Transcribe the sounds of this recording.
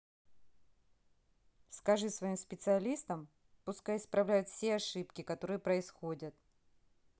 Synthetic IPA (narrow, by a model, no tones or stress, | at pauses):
skɐʐɨsvɐimspʲɪt̪sɨɐlʲist̪əm | pʊskajɪspɾɐvlʲæjʊt̪fsʲeɐʂɨpkʲɪkɐt̪o̞ɾɨjəpɾəɪsxodʲət̪̚